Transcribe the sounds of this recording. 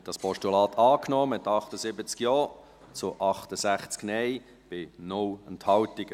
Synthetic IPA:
ɛt̚d̥ɑspɔʃtulɑːtʰɑːknɔːmɪtɑχtəzɪbət͡skjɔː | t͡sʊʔɑχtəzæχt͡sknɛj | b̥ɪnʊlɛnthɑltɪɡə

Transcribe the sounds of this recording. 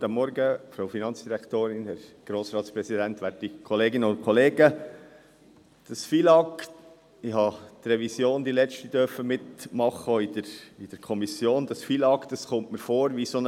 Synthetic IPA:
t̪ɑmːɔɾɡəfɾoʊfinɑnt͡sd̥iɾækt̪oːɾɪnhæɾɡ̥ɾoːsɾɑːtspɾɛsidænt̪ʋæːtikʰɔleːɡɪnəʊn̚kʰɔleːɡə | d̥ɑsfilɑk | ɪɦɑt̪rɛvisjoːnd̥̪ilɛt͡ʃtid̥øɾfəmɪtmɑχəidəɾid̥əɾkʰɔmisjoːnd̪ɑsfilɑkd̥ɑsχʊmtməɾfoːɾʋison

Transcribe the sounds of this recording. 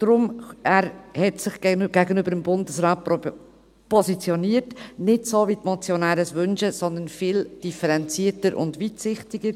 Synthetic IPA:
d̥ɾʊmæːɾhɛtsɪχɡɡ̥æɡənøbəɾəmbʊndəsɾɑːt̚ | pɔsit͡sjɔniːətnɪtsoːvitmɔt͡sjonæːɾəsʋʏnʃəsɔnd̪ənfɪːld̥ifəɾɛnt͡siːətəɾʔʊ̰ndʋitsɪχtɪɡəɾ

